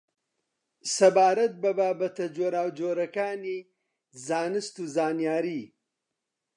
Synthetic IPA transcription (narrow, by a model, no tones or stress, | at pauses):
sɐbaːɾɐt̪̚bɐbaːbɐt̪ɐd͡ʒoːɾaːwd͡ʒoːɾɐkaːni | zaːnɨst̪uːzaːnjaːɾiː